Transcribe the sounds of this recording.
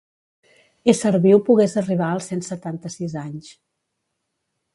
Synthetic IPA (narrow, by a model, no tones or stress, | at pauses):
esəɾβiwpuɣezəriβ̞aəlˠsensət̪ant̪əsizaɲs